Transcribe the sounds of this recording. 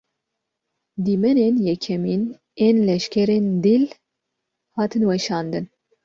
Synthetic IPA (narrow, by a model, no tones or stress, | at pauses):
d̪iːmɛneːnjɛkʰɛmiːn | eːnlɛʃkʰʲɛɾeːnd̪il | hɑːt̪ʰɨnwɛʃɑːnd̪ɨn